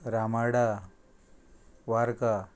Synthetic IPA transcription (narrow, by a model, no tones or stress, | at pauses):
ɾamaɽa | ʋaɾka